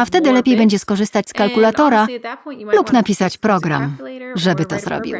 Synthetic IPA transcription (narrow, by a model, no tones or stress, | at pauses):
aft̪ɛd̪ɘlɛpʲjejbɛɲd͡ʑɛskɔʐɘst̪at͡ɕʲskalkulat̪ɔɾalupnapʲisat͡ɕpɾɔɡɾa̰mʐɛbɘt̪ɔzɾɔ̰bʲḭw